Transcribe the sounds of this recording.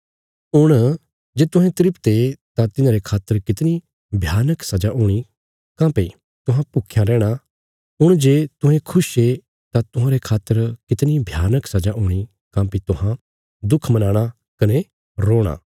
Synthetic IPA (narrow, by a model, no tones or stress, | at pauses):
ʊɽ̃ | d͡ʒeːt̪ʊ̃ɦɛ̃t̪ɪɾɪpt̪et̪ãt̪ɪnãːɾekʰaːt̪ːəɾkɪt̪ni | bʱjaːnəksɐd͡ʒaʔuːɽ̃i | kãːpe | t̪ʊɦãpʊkʰjãɾɛːɽ̃a | ʊɽ̃d͡ʒeːt̪ʊ̃ɦẽkʰʊʃe | t̪at̪ʊɦãɾekʰaːt̪ːəɾkɪt̪nibʱjaːnəksɐd͡ʒaʔʊːɽ̃i | kãːpit̪ʊɦã | d̪ʊkʰmɐnaːɽ̃a | kɐne | ɾoːɽ̃a̰ː